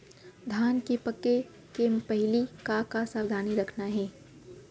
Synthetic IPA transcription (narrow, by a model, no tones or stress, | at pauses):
d̪ʱaːnkepəkːe | kempɐɦɪlikakasaːʋd̪ʱaːniɾɐkʰnaɦɛː